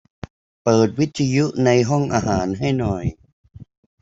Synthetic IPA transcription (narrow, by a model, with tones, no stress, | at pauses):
pɤː˨˩t̪̚wi˦˥t̪ʰːa˧ju˦˥na˧jɦɔ˥˩ŋʔaː˧ɦaː˩˦nɦa˥˩jnɔ˨˩j